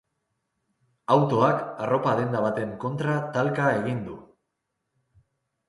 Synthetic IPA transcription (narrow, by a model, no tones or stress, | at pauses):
awt̪o̞akaro̞paðe̞nd̪aβ̞at̪e̞ŋko̞nt̪ɾat̪alkae̞ɣ̞ind̪u